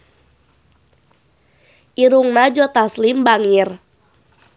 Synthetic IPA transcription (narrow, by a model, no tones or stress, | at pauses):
ʔiɾuŋnad͡ʒɔt̪aslimbaŋɪr